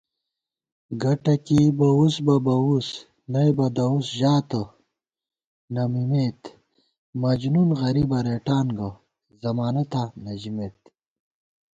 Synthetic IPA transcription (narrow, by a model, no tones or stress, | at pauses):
ɡɐʈɐkibɐusbɐbɐus | nɐjbɐd̪ɐusʑaːt̪ə | nɐmimet̪ | mɐd͡ʑnunɣɐɾibɐɾeːʈaːnɡɐ | zɐmaːnɐt̪anɐd͡ʑimet̪